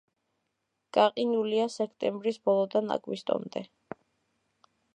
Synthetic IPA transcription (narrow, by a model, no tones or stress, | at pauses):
ɡ̥aqʼinuliasɛkʰt̪ʼɛmbɾisbɔlˠɔd̪ana̰kʼwist̪ʼɔ̰md̪ɛ